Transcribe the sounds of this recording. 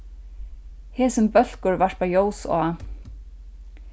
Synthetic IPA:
hɛːsʏmpœl̥kʊɹvaʂt̪pajoːwsɔ̰ː

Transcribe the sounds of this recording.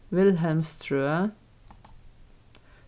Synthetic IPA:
ʋɪlɦælmst̪ʰɹʉːə

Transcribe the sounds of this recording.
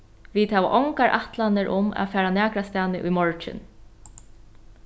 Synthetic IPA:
vit̪haːʋa̰ʔɔŋkaɹʔaht̪lanɪɾʔʊma̰ːfæːɹanæːkɾast̪aːnɪʔʊjmɔɹt͡ʃɪ̰n

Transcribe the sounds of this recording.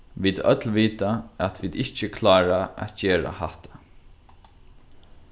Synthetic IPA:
ʋiːd̪œ̰t̪lʋiːt̪aæt̪ʋiːd̪ɪht͡ʃəkʰlaːɹaæ̰t̪d͡ʒeːɹa̰haht̪ḁ

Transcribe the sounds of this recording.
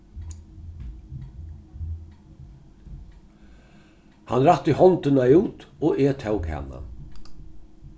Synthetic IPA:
hanɾat̪ːɪhɔnt̪ɪnajuːt̪ɔːɛːt̪ʰɛwkʰhɛ̰ːna̰

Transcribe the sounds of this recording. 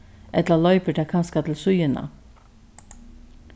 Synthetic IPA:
ʔɛt̪lɑlœʏpəʈʰɛkʰɑnskɑt̪ʰl̩sʉʏənɑ̰

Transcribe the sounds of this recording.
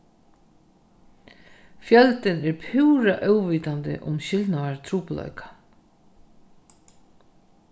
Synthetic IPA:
fjœlt̪ɪnɛɾpʰuwɾaʔœwviːt̪and̪ɪ̰ʔʊ̰mɕɪlt̪naʋaɹt̪ʰɾuːplɔ̰ɥkḁ

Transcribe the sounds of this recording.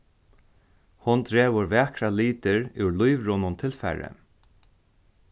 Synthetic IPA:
hʊnd̪ɾeːʋʊɾʋɛːkɾaliːt̪ɪɹʉwɹlujʋɹʊnʊnt̪ʰɪlfɛ̰ɹə̰

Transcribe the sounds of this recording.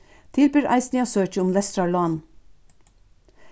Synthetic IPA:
t̪ʰɪlbʏɾæ̰ɪsnɪɑsøːt͡ʃəʊmlɛst̪ɾɑlɑːn

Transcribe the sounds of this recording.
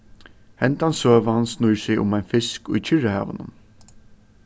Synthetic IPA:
hɛnt̪ansøːʋəhansnujsɪʔʊ̰majnfɪskʊ̰jt͡ʃʰɪɹəhæ̰ːʋə̰nʊ̰n

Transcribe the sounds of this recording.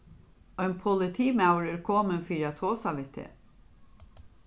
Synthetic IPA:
œʏnpʰʊlɪt̪ʰiːmaʊɾɪɾkʰoːmənfiːɾat̪ʰoːsaʋɪt̪ʰḛː

